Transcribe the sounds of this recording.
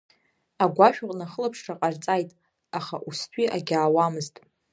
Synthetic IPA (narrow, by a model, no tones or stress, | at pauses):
aɡʷaʃᶣʊqʼnaχəlapʰʂraqʼart͡sʼajtʼ | aχa̰ʔustʰʷʼiʔaɡʲaːwamɨztʼ